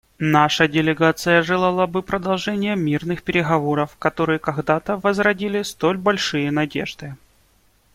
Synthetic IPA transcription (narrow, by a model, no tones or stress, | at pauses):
naʂədʲɪlʲɪɡat̪sɨjəʐɨlˠalˠabɨpɾəd̪ɐlˠʐɛnʲɪjəmʲirnɨxpʲɪɾʲɪɣɐvo̞ɾəfkɐt̪o̞ɾɨjəkɐɡd̪at̪əvəzɾɐdʲilʲɪst̪o̞lʲbɐlʲʂɨjənɐdʲe̞̰ʐd̪ɨ